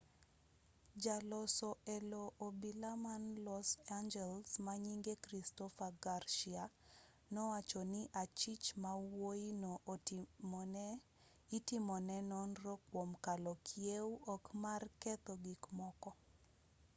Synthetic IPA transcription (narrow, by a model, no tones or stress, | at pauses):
d͡ʒalɔsɔɛlɔʔobilamanlɔsand͡ʒɛlsmaɲiŋɡekɾistɔfaɡarʃia | nɔwat͡ʃɔnɪʔat͡ʃit͡ʃmawoino | itɪmɔnɛnɔnrokwomkalɔkʰjewʔɔkmarkɛt̪ɔɡikmɔkɔ